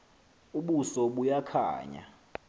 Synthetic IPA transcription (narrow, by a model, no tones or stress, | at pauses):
uɓusɔɓujakʰa̰ːɲa̰